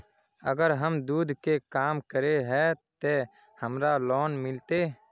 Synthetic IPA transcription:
ə̰ɡəɾɦəmd̪uːd̪ʱkekaːmkəɾeɦɛːt̪eː | həmɾalɔːnmɪlt̪eː

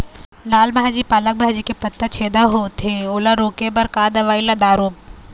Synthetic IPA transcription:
laːlbʱaːd͡ʒipaːlək̚bʱaːd͡ʒikepɐt̪ːət͡ʃʰeːd̪aɦot̪ʰeoːlaɾoːkebɐɾkaːd̪ɐʋaːilad̪aːɾoːb̚

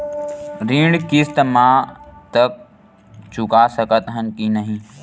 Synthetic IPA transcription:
ɾiːɳɖkɪst̪mãːt̪ək̚ | t͡ʃʊkaːsəkət̪ɦənkinəɦĩː

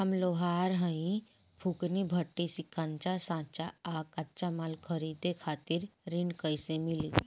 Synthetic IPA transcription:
ɦɐmloɦaːɾɦə̃ĩ | pʰuknibʱəʈːisikʰant͡ʃasãːt͡ʃaaːkat͡ʃamalkʰəɾid̪ekʰaːt̪iɾɾinkəjsemili

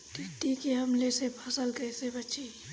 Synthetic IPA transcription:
t̪ɪt̪ikiɦɐmlesepʰɐsəlkɛsebɐt͡ʃi

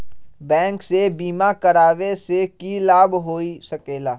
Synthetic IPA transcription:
bɛ̃ːŋksebiːmakəɾaːʋesekilaːbɦoːisɐkeːlaː

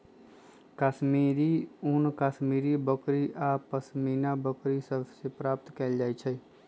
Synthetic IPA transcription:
kaːʃmiːɾiunkaːʃmiːɾibəkɾiʔaːpəsmiːnabəkɾisəbʱsepɾaːp̚t̪kɛld͡ʒaːet͡ʃʰɛ

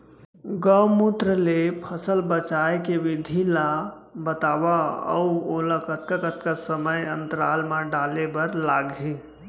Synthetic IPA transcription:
ɡəmut̪ɾəlepʰəsəlbət͡ʃajkeʋid̪ʱilabət̪aʋaə̰uolakət̪̚kakət̪̚kasəməjənt̪əɾalmãɖalebəɾlaɡʱe

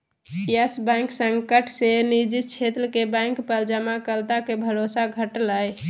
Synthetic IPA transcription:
jəsbaŋksəŋkəʈʰsenid͡ʒit͡ʃʰet̪ɾəkebãŋkpəld͡ʒəmakəlt̪akebʱəɾosaɡʱəʈlaj

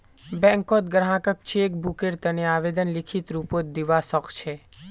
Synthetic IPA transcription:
bɛ̃ŋkot̪̚ɡəɽɦãkək̚t͡ʃʰeːk̚bukeɾt̪əneaʋed̪ənlikʰit̪ɾupot̪̚d̪iʋasɔkʰt͡ʃʰe

